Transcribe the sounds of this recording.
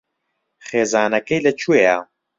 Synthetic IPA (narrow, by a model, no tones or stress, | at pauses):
χeːzaːnɐkɛjlɐt͡ʃʰueja